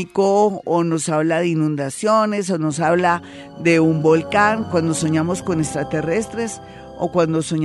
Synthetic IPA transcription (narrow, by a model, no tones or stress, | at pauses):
ikoːno̞saβlaðeinũnd̪asjo̞ne̞so̞no̞saβla | d̪e̞umbo̞lkaŋkwand̪o̞so̞ɲamo̞sko̞nest̪ɾat̪e̞re̞st̪ɾe̞s | o̰kwand̪o̞so̞ɲ